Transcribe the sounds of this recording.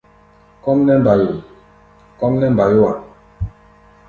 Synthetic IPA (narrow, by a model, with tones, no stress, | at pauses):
kɔ˦mnɛ˦m˨ba˨ji˨ | kɔ˦mnɛ˦m˨ba˨jo˦wa˨